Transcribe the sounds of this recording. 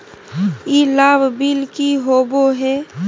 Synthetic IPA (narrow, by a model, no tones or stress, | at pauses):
jeːlaːbbilkiɦoːboɦɛː